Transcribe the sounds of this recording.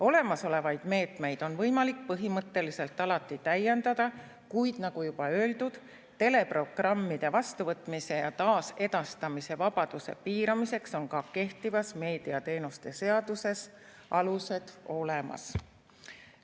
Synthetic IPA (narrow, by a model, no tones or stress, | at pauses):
o̞le̞mɑso̞le̞vɑjd̪̥me̞ːt̪me̞jd̪̥o̞nvɤjmɑlik̚pɤɦimɤt̪ːe̞lise̞lt̪ːˑɑlɑt̪ːˑit̪æjːend̪̥ɑd̪̥ɑ | kujd̪̥nɑɡ̥ujub̥ɑø̞ːld̪ud̪̥ | t̪ːe̞le̞pro̞ɡ̥rɑmːid̪̥e̞vɑst̪uvɤt̪ːˑmise̞jɑt̪ɑːse̞d̪̥ɑst̪ɑmise̞vɑb̥ɑd̪̥use̞̰piːɾɑmise̞kso̞nkɑke̞ht̪ivɑsme̞ːd̪̥iɑt̪e̞ːnust̪e̞se̞ɑd̪use̞s | ɑluse̞d̪̥o̞le̞mɑ̰s